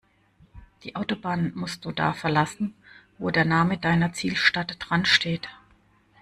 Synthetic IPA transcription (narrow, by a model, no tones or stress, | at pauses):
d̥iːʔaʊtobaːnmʊst̚d̥uːda̰ːfɛɐlasn̩voːdeːɐnaːmədaɪnɐt͡siːlʃtatəd̥ʁanʃteːt